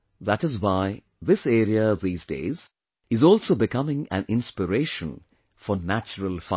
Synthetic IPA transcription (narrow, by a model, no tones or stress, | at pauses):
ðæʈɨzwaɪ | ðɪseːɾiəðiːzdḛːz | ɨzɔːlsoːbɪkʌmɪ̃ŋæ̰̃nɪ̃nspəɾeːʃə̃n | fɔɾnæt͡ʃəɾəlfa